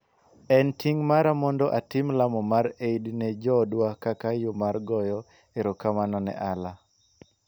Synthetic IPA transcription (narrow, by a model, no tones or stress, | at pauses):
ɛntiŋmaɾamɔndɔʔatɪmlamɔmaɾeidnɛd͡ʒɔdwakakajomarɡɔjɔ | eɾɔkamanɔnɛ̰ʔala